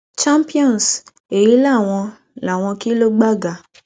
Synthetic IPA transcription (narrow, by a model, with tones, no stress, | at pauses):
t͡ʃa˦mpi˦ɔ̃˦˨n˨s | e˨ji˨˦la˦˨w̃ɔ̃˧ | la˨w̃ɔ̃˧ki˦lo˦ɡ͡ba˦ɡa˨